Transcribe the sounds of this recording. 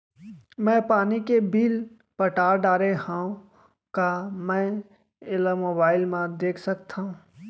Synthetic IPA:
mɛ̃ːpaːnikebiːl | pəʈaːɾɖaːɾehãũ | kamɛ̃ | ɪlamoːbaːɪlmãd̪eːkʰsəkt̪ʰaɦũː

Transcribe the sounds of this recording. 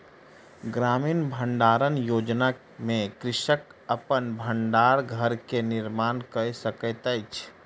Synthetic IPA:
ɡɾaːmiːnbʱəɳɖaːɾənjoːd͡ʒna | mẽkɾɪʃəkəpənbʱəɳɖaːɾɡʱəɾkenɪɾmaːnkəsəkət̪ət͡ʃʰ

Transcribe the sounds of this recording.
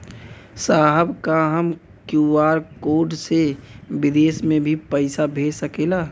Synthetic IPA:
saːɦəbkaɦəm | kjuaːɾkoːɖsebɪd̪eːsmẽbʱipəɪsabʱeːsəkeːlaː

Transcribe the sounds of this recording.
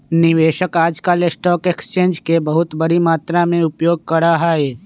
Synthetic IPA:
nɪʋeːʃəkaːd͡ʒkaːlesʈɔːkekst͡ʃẽːnd͡ʒkebɐɦʊt̪bəɽimaːt̪ɾamẽʊpjoːɡ̚kɐɾaɦaːeː

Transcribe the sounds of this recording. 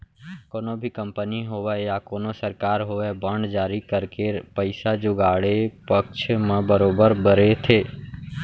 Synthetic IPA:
koːnobʱikə̃mpəniɦoʋɛjakoːnosəɾkaːɾɦoːʋɛbəɳɖd͡ʒaːɾikəɾkepəɪsad͡ʒʊɡaːɽepəkt͡ʃʰmẽbəɾoːbəɾbəɾet̪ʰeː

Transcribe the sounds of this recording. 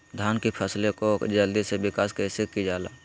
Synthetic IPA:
d̪ʱaːnkipʰəslekod͡ʒəld̪isebɪkaːskəsekid͡ʒaːla̰ː

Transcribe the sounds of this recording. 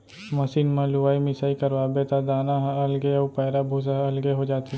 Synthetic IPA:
mɐsiːnmãluʋaːimɪsaːikɐɾʋaːbet̪ad̪aːnaɦɐlɡeɔʊpaːɾabʱuːsaɐlɡeɦod͡ʒaːt̪i

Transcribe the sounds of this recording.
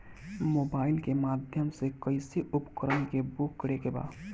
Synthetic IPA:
moːbaːɪlkemaːd̪ʱjəmsekəɪsiʔʊpkəɾənkebʊkːɽekeba̰ː

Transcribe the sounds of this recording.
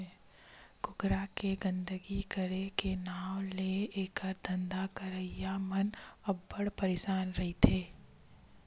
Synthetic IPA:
kʊkɾakeɡə̃nd̪əɡikəɾekenaːwleeːkəɾd̪ɐ̃nd̪akɐɾəijamɐnɐbːɐɽpɐɾeːʃaːnɾɐɦit̪ʰeː

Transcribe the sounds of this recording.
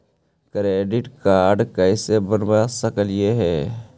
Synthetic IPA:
kɾeːɖɪʈkaːɾɖkəɪsebənwasəkəljeɦɛː

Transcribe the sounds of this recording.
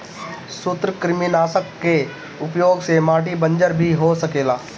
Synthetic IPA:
sʊt̪ɾəkɾɪmɪnaːsəkːe | ʊpjoːɡsemaːʈibə̃ɲd͡ʒəɾbʱiɦosɐkeːlaː

